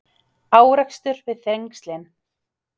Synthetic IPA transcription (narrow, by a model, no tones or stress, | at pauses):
aːwɾɛkst̪ʏɾvɪðθɾejŋkst̪lɛn